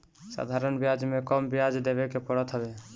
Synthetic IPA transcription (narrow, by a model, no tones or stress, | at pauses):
sa̰d̪ʱaɾənbijad͡ʒmekəmbijad͡ʒd̪ebekepəɽət̪ɦəbe